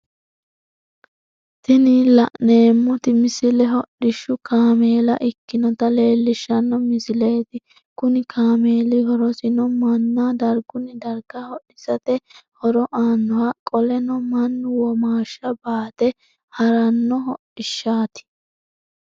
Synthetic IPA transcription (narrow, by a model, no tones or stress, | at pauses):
t̪ɪnɪlɐʔne̞ːmːɔt̪ɪmɪsɪlɛɦɔɗɪʃːʊkaːmeːlɐʔɪkːɪnɔt̪ɐle̞ːlːɪʃːɐnːɔmɪsɪle̞ːt̪ɪ | kʊnɪkʰaːme̞ːlɪhɔɾɔsɪnɔmɐnːad̪ɐɾɡʊnɪd̪ɐɾɡahɔʔɪsɐt̪ɛhɔɾɔʔaːnːɔwɐkʼɔlɛnɔmɐnːʊwɔmaːʃːɐbaːt̪ɛ | hɐɾɐnːɔɦɔʔɪʃːaːt̪ɪ̥